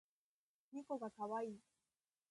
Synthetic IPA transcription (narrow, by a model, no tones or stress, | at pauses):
ɲ̟iko̞ɡakaβaiː